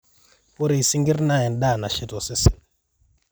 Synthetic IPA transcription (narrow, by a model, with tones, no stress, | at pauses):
u˦ɾi˨si˦ŋɡi˦rna˦˨ɛ˨nɗa˦˨na˨ʃi˦tɔ˨si˦si̥˨n